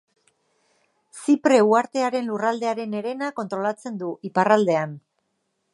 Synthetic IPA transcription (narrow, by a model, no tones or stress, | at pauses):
sipɾe̞uaɾt̪e̞aɾe̞nlurald̪e̞aɾe̞ne̞ɾe̞nako̞nt̪ɾo̞lat͡se̞nd̪uʔiparald̪e̞an